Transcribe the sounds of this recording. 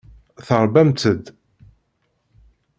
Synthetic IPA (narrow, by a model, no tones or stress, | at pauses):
θəɾˤbæmt̪əd̪